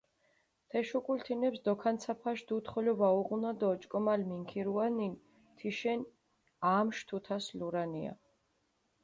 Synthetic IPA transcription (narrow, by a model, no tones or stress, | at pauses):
t̪ʰɛʃukʼult̪ʰinɛpsd̪ɔkʰant̪sʰapʰaʃd̪ut̪χɔlɔvauʁunad̪ɔːt͡ʃʼkʼɔmalmiŋkʰiɾuanin | t̪ʰiʃɛn | aːmʃt̪ʰut̪ʰasluɾania̰